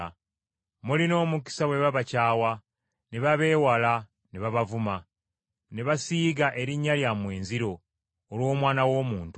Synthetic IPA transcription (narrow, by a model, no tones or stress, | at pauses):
mulino̞ːmuki̥sawe̞βaβacaːwa | neβaβe̞ːwala | neβaβavuma | neβasiːɡaʔe̞ɾiɲːaljamwe̞ːnziɾo̞ː | lwo̞ːmwaːnawo̞ːmuːntu